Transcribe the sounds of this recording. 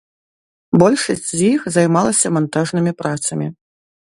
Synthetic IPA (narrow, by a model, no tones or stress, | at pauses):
bɔlʲʂɐsʲt͡sʲzʲjixzɐjmalˠɐsʲɐmant̪aʐnɨmʲipɾat̪sɐmʲi